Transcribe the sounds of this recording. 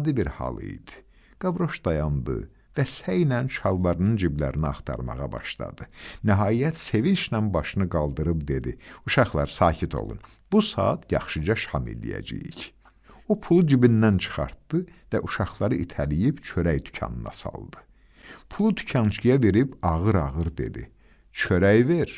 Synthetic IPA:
d̪ibiɾhɑ̰lˠḭjd̪̥i̥ | ɡ̥ɑvɾo̞ʃd̪ɑjɑnd̪ɯ̰ | væsæjnænt͡ʃʰɑlˠːɑɾɯnɯnd͡ʒiblæ̰ɾiniɑ̰χt̪ʰɑ̰ɾmɑ̰ʁɑ̰bɑ̰ʃlˠɑ̰d̪ɯnæɦɑːjæt̪se̞vint͡ʃnænbɑʃɯnɯɡɑlˠd̪ɯɾɯbd̪e̞d̪iuʃɑχlˠɑɾɯsɑːcʰit̪ʰo̞̰lˠṵn | b̥usɑ̰ːt̪jɑ̰χʃɯd͡ʒɑʃhɑmḛlḭjæ̰d͡ʒḭjḭç | opʰulˠud͡ʒibinːænt͡ʃʰɯ̥χɑ̰ɾt̪d̪ɯvæʔuʃɑχlˠɑɾɯʔit̪ʰælijibt͡ʃʰøɾæjd̪ycʰɑ̰nɯnɑ̰sɑ̰lˠd̪ɯ | pʰulˠud̪y̥cʰɑnt͡ʃkijɑveɾibɑʁɯɾɑʁɯɾd̪ḛd̪i | t͡ʃʰøɾæjveɾ

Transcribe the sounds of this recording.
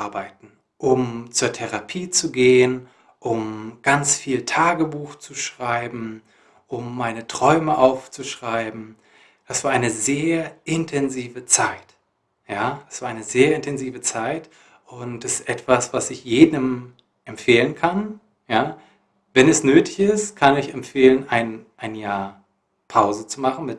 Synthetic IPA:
ɐbaɪtn̩ | ʔʊmt͡suːɐtʰɛʁapʰiːt͡suɡeːən | ʔʊmɡ̥ant͡sfiːltʰaːɡəbuːxt͡suʃʁ̥aɪbm̩ | ʔʊmːaɪnətʁ̥ɔʏməʔaʊft͡suʃʁ̥aɪbm̩ | d̥asv̥aːɐʔaɪnəzeːɐʔɪntʰɛnziːvət͡saɪt | jaːdasv̥aːɐʔaɪnəzeːɐɪntʰɛnziːvət͡saɪt | ʔʊntɛstʔɛtv̥asv̥asɪçjeːdəm | ʔɛmfeːlənkʰan | jaː | vɛnɛsnøːtʰɪ̥çɪstkʰanɪçɛmfeːlənʔaɪnʔaɪnjaːɐ | pʰaʊzət͡sumaχn̩mɪt

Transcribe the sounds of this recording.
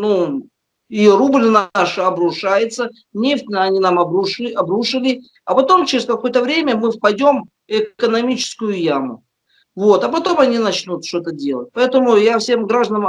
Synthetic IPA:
nu | irublʲnaʂɨɐbɾʊʂajɪt̪sə | nʲeft̪ʲɐnʲinamɐbɾuʂɐbɾuʂɨlʲɪ | ɐpɐt̪o̞mt͡ɕɪɾʲɪskɐko̞jət̪əvɾʲemʲəmɨfpɐdʲo̞m | ɪkənɐmʲit͡ɕɪ̥skʊjʊjamʊ̰ | vo̞t̪ɐpɐt̪o̞mɐnʲinɐt͡ɕnut̪ʂt̪o̞t̪ədʲe̞lˠət̚ʲpɐɛt̪əmʊjafsʲe̞mɡɾaʐd̪ənəm

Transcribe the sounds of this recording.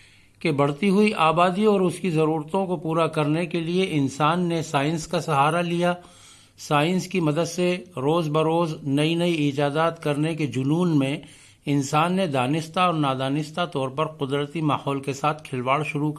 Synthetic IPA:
kebɐɽt̪iɦʊiʔaːbaːd̪iɔːɾʊskizɐɾuːɾt̪õkopuːɾakɐɾnekelieʔɪnsaːnːesaːɪ̃nskasɐɦaːɾalija | saːɪ̃nskimɐd̪əd̪seɾoːzbɐɾoːznɐinɐiɪːd͡ʒaːd̪aːt̪kɐɾneked͡ʒʊnuːnmẽ | ɪnsaːnːed̪aːnɪst̪aɔːɾnaːd̪aːnɪst̪at̪ɔːɾpɐɾqʊd̪ɾət̪imaːhɔːlkesaːt̪ʰkʰɪlʋaːɽʃʊɾuk

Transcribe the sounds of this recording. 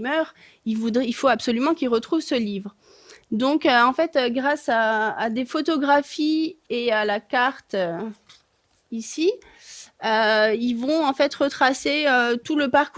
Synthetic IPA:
mœʁ | ilvud̪ʁɛilfoabsɔlymɑ̃kʲilʁət̪χuvsəlivʁ | d̪ɔ̃køɑ̃fɛt̪øɡʁasaːd̪efɔt̪ɔɡʁafiealakaʁt̪ø | isi | øilvɔ̃ɑ̃fɛt̪ʁət̪χaseøt̪uləpaʁku

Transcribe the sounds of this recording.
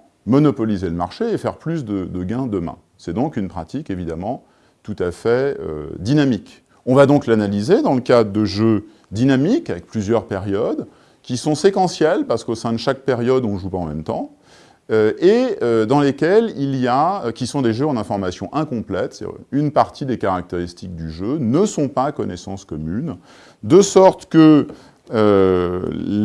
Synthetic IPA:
mɔnɔpɔlizeləma̰ʁʃeefɛʁplys̬d̪əd̪əɡɛ̃d̪əmɛ̰̃ | sɛd̪ɔ̃kynpχa̰t̪ikevid̪amɑ̃ | t̪ut̪afɛø̰d̪inamik | ɔ̃vad̪ɔ̃klanalized̪ɑ̃ləkad̪ʁəd̪əʒø | d̪inamikavɛk̚plyzjœʁpeʁjɔd̪ | kʲisɔ̃sekɑ̃sjɛlpaʁsə̥kosɛ̃d̪əʃak̚peʁjɔd̪ɔ̃nəʒupaɑ̰̃mɛ̰mt̪ɑ̰̃ | øeød̪ɑ̃lekʲɛlilijaøkʲisɔ̃d̪eʒøɑ̃nɛ̃fɔʁmasjɔ̰̃ʔɛ̃kɔ̃plɛt̪synpaʁt̪id̪ekaʁak̚t̪eʁist̪ik̚d̪yʒønəsɔ̃pakɔnɛsɑ̃skɔmyn | d̪əsɔʁt̪kə | ø

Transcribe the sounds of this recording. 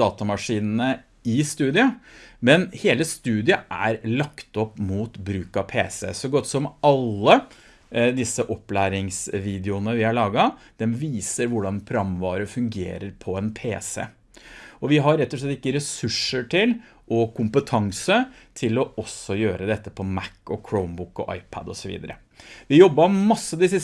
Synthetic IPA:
ɑːt̪ɑmɑʂiːnnə | ɪst̪ʉːd̪ɪɑmɛnheːləst̪ʉːd̪ɪɑʔæ̰ɾlɑkt̪ɔpːmuːt̪bɾʉːkɑpʰḛːsɛ̰sɔɡɔt̪ːsɔmʔɑlːə | d̪ɪsːəʔɔpːlæːɾɪŋsʋiːd̪ɪʊnəʋɪhæɭɑːɡɑd̪̥ɛmʋiːsəɾʋʊɖɑnpʰɾʊɑmːʋɑːɾəfʉŋɡḛːɾəɾpʰɔɛnpʰḛːsɛ̰ | ɔʋɪɦɑɾːɛt̪ːɔʂɭɛt̪ːɪkːəɾɛsʉʂəʈʰɪl | ʔɔkʰʊmpət̪ʰɑŋsə | t̪ʰɪlɔɔsːɔjøːɾəd̪ɛt̪ːə̥pʰɔmækːɔkʰɹɔʊnbʊkːɔ̰ʔɑ̰ɪpʰæ̰d̪ɔ̰sɔʋḭːd̪əɾə̰ | ʋɪjɔbːɑmɑsːəd̪ɪsə

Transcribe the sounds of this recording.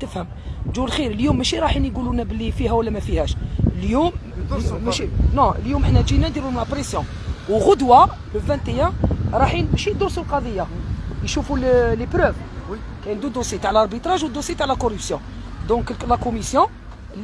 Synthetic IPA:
t̪əfhəm | ʒulxiɾəljumːæʃiɾˤɑħinɡulunæbəlːifihæwlːæmæfihæʃəljum | nɔ̃ljuməħnæʒinænd̪iɾumlæpɾesjɔ̃ | wɣʊd̪wa | ləvæ̃nt̪ejæ̃ɾˤɑħinʃid̪ʊɾsulqɑd̪ˤəjːajʃufulləpɾœv | kæjnd̪ud̪osjit̪aʕəlɑɾˤbit̪ɾˤɑʒwd̪ːosjit̪aʕlækɔɾypsjɔ̃ | d̪ɔ̃kllækomisjɔ̃

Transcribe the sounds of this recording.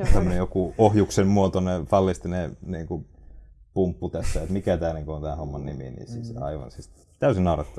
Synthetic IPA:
t̪æmːønejokuohjuksemmuot̪onːefɑlːist̪ineniːŋku | pumpːut̪æsːæet̪mikæt̪æːniːŋkuont̪æːnhomːɑnnimḭnḭːsiːsɑ̰iʋɑ̰nsiːs | t̪æysinɑˑurɑt̪ːɑ̥

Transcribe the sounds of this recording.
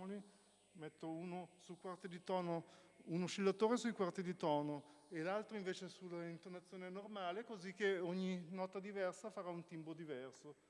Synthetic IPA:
oli | mɛt̪ːouːnosulkwart̪id̪it̪ɔːno | unoʃilːat̪oːɾesujkwart̪id̪it̪ɔːnoelalt̪ɾoiɱveːt͡ʃesulːaint̪onat̪sːjoːnenormaːlekozik̟ːeoɲːinɔt̪ad̪ivɛrsafaɾaunt̪imbod̪ivɛrso

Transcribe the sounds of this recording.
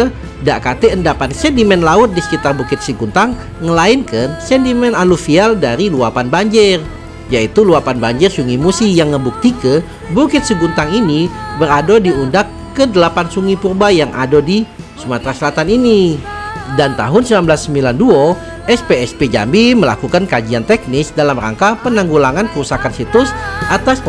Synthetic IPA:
daʔkat̪eəndapansɛnt̪imɛnlaʊt̪̚disə̥kit̪arbukɪt̪̚səɡunt̪aŋː | əlaɪnkənsɛnt̪imɛnalufialdaɾiluapanbaɲd͡ʒɪr | jait̪uluapanbaɲd͡ʒɪrsuŋimusijaŋːəbuk̚t̪ikə | bukɪt̪̚səɡunt̪aŋinibəɾadodiundakːədəlapansuŋipurbajaŋa̰dɔdi | sumat̪ɾasəlat̪anini | dant̪a̰ɦʊnsəmanbəlasːəmbilanduɔ | ʔɛspeɛsped͡ʒa̰mbiməla̰kukankad͡ʒiant̪ɛk̚nɪsdalamra̰ŋkapənaŋɡulaŋankəɾusakansit̪ʊsʔat̪as

